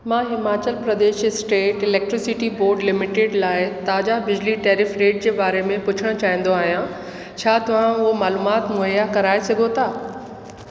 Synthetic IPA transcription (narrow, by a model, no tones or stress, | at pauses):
mãːɦɪmaːt͡ɕəlpɾɐd̪eːʃɪsʈeːʈɪlɛːk̚ʈɾɪsɪʈiboːɾɖlɪmɪʈeɖlaːɪt̪aːd͡ʑabɪd͡ʑliʈeːɾɪfɾeːʈ̚d͡ʑeːbaːɾemẽpʊt͡ɕʰəɽ̃ʊt͡ɕaːɦĩːn̆d̪oaːɦijã | t͡ɕʰaːt̪ɐʋ̤ãʊɦomaːluːmaːt̪mʊjakɐɾaːesɐɡʱot̪ʰaː